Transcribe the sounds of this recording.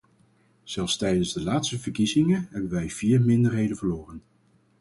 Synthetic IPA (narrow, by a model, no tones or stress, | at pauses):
z̥ɛlˠfstɛjdənzdəlaːtstəvəɹkizɪŋəɦɛbənʋɛjv̥iːɹmɪndəɹɦejdənvəɹlʊːrən